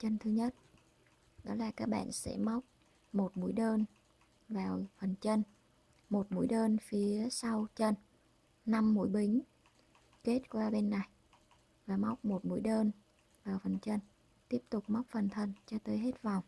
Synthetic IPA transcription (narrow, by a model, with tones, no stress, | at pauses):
t͡ɕə˧nt̪ʰɨ˧ɲə˦˥t̚ | ɗɔ˨˦laː˨˩kaː˦˥k̚ɓa̰ː˧˨nsɛ̰˧˥ma˦˥wk͡p̚ | mo˨˩t̚mṵ˧˥əjɗəː˧n | vaː˨˩wfə˨˩nt͡ɕə˧n | mo˨˩t̚mṵ˧˥jɗəː˧nfi˨˦əəsa˧wt͡ɕə˧n | na˧mːṵ˧˥jɓï˨˦ŋ̟ | ke˦˥t̚kwaː˧ɓe˧nːa˨˩j | vaː˨˩ma˦˥wk͡p̚mo˨˩t̚mṵ˧˥əjɗəː˧n | vaː˨˩wfə˨˩nt͡ɕə˧n | t̪i˦˥əp̚t̪ʊ˨˩k͡p̚ma˦˥wk͡p̚fə˨˩nt̪ʰə˨˩nt͡ɕɔ˧t̪əː˨˦jɦe˦˥t̚va˨˩wŋ͡m